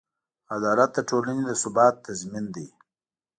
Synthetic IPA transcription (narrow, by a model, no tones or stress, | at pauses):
ad̪ɑːlat̪̚d̪əʈolaned̪əsʊbɑːt̪ːazmind̪i